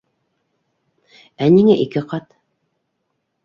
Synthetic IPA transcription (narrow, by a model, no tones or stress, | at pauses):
æniŋæʔikɘqɑt̪